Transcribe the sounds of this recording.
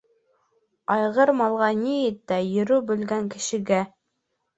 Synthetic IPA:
ɑjʁɤɾmɑlˠʁɑniɘt̪ːæjɵ̆ɾʉbɵ̆lɡæŋkɘ̆ʃɘ̆ɡæ

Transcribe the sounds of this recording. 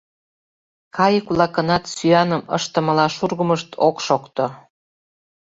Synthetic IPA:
kɑjəkulɑkənɑt̪syɑnəmə̰ʃt̪ə̆məlɑʃurɣə̆məʃt̪ʰokʃokt̪o

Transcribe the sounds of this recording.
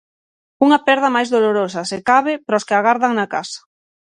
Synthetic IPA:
uŋɐpɛɾðɐmajzðoloɾosɐsekaβɪpɾɔskɪaɣaɾðaŋnaka̰sḁ

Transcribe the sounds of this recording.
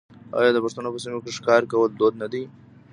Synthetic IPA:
ɑ̰jɑd̪əpʊʂt̪anopəsimokeʂkɑɾkawəld̪od̪nad̪i

